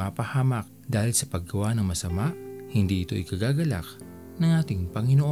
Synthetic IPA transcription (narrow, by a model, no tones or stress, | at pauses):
apɐhaːmɐk̚d̪aːhɪlsɐpɐɡɐwanɐŋmɐsɐmaʔhɪnd̪iʔɪt̪o̞ʔɪkɐɡaːɡɐla̰k̚ | nɐŋʔaːt̪ɪŋpɐŋɪnoʔo